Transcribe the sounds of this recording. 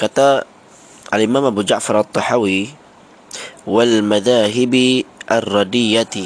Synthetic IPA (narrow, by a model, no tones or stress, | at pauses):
kat̪a | ʔalʔɪmaːmʔabud͡ʒaʕfɑɾˤʔɑt̪ˤːɑħawi | walmaðaːɦɪbiʔarˤːɑd̪ɪjːat̪i